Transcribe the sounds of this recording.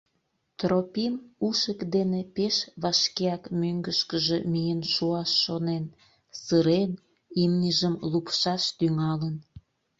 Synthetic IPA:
t̪ropimuʃəkd̪enepeʃβɑʃkeɑkmøŋɡəʃkəʒemijənʃuɑʃːonen | səɾen | imnʲəʒəmlupʃɑʃt̪yŋɑlən

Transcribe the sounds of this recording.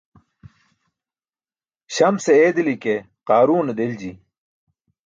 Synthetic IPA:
ɕɐmseeːd̪ilike | qaːɾuːned̪eld͡ʑi

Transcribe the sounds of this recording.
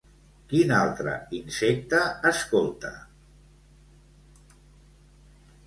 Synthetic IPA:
kinalˠt̪ɾə̰insek̚t̪əːskolˠt̪ə̰

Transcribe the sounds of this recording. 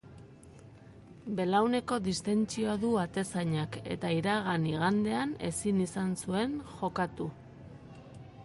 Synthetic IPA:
be̞lawne̞ko̞ðist̪e̞nt͡sioaðuat̪e̞saɲake̞̰t̪aiɾaɣ̞aniɣ̞and̪e̞ane̞sinisansue̞ŋʝo̞kat̪u

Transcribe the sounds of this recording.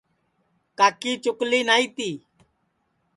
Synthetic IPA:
kaːkiːt͡ʃʊkliːnaːiːt̪iː

